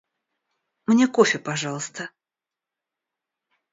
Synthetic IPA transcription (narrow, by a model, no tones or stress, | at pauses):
mnʲekofʲɪpɐʐɑlˠəst̪ə